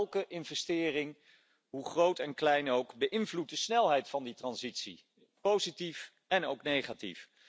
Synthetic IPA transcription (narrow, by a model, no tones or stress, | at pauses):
lˠkəʔɪnvɛstɪːrɪŋ | ɦuχrowtɛnklɛjnowkbəʔɪnvlut̚dəsnɛlˠɦɛjtfɑnditrɑnzitsḭ | powzitif | ɛnowknejχatḭf